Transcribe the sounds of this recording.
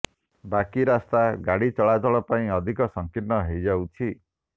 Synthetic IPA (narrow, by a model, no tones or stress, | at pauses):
bakiɾast̪aɡaɽit͡ʃɔɭad͡ʒɔɭɔpaĩɔd̪ʱikɔsɔŋkinɔɦejd͡ʒawt͡ʃʰi